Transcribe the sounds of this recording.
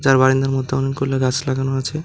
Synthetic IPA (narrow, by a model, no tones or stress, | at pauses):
d͡ʑaɾbaɾind̪aɾmɔd̪ʱːeɔninkolaɡat͡ɕʰlaɡanoat͡ɕʰe